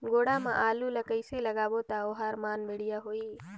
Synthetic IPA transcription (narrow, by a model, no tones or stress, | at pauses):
ɡoːɽamã̰ʔaːluləkəɪseləɡaːbot̪aoɦaːɾmaːnbeɽijaɦoːiː